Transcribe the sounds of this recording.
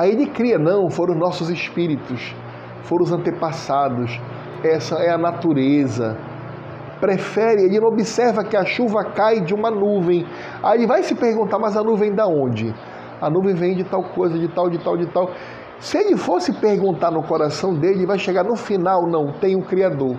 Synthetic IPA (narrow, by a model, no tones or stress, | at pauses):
aeʎɪkɾiɐnɐ̃w̃foɾ̃ʊ̃znɔsʊzɪʃpiɾit̪ʊs | foɾ̃ʊzɐ̃nt̪epasad̪ʊs | ɛsɐɛɐnat̪uɾezɐ̰ | pɾefɛɾɪelɪñobisɛɾvɐkɪɐʃuvɐkajd͡ʒɪũmɐnuvẽj̃ | aelɪvajsɪpeɾɡũt̪aɾmɐzɐnuvẽj̃d̪aõnd͡ʒɪ | ɐnuvẽj̃vẽj̃d͡ʒɪt̪awkojzɐd͡ʒɪt̪awd͡ʒɪt̪awd͡ʒɪt̪aw | sɪeʎɪfosɪpeɾɡũnt̪anʊkoɾasɐ̃w̃d̪eʎɪvajʃeɡaɾnʊfinawnɐ̃w̃t̪ẽj̃ũkɾiad̪oɾ